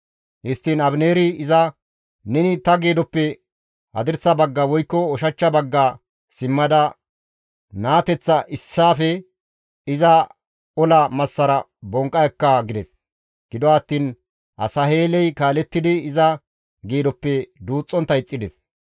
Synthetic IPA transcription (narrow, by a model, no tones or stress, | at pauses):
hɪst̪ːiːnɐbneːɾɪɪzɐ | nɛnɪt̪ɐɡeːd̪ɔpːɛ | hɐ̰d̪ɪɾsɐbɐɡːɐwɔjkːɔɔʃɐt͡ʃːɐbɐɡːa | sɪmːɐd̪ɐ | naːt̪ɛt͡sːɐʔɪsːaːfɛ | ɪzɐ | ɔlɐmɐsːɐɾɐ | bɔŋkʼːɐjkːɐɡɪd̪ɛs | ɡ̥ɪd̪ɔɐt̪ːiːn | ʔɐ̰sɐheːlɛjkaːlɛt̪ːɪd̪ɪːzɐ | ɡeːd̪ɔpːɛd̪uːt͡sʼːɔnt̪ːɐɪt͡sʼːɪd̪ɛs